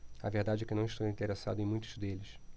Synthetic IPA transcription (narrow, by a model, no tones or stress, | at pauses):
ɐ̰veɾd̪ad͡ʒɪɛkɪnɐ̃w̃ɪʃt̪owĩnt̪eɾesa̰d̪ʊẽj̃mũj̃t̪ʊzd̪elɪs